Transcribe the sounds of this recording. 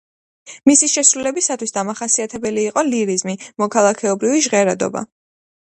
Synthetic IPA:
misiʃɛsɾulɛbisat̪ʰwisd̪amaχasiat̪ʰɛbɛliːqʼɔliɾizmimɔkʰalˠakʰɛɔbɾiviʒʁɛɾad̪ɔ̰ba̰

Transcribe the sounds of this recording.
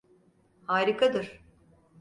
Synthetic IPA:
haːɾikʰad̪ɯɾ̥

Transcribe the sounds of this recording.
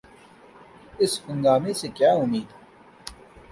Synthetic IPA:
ɪshʊ̃ŋɡaːmesekjaːʊmiːd̪

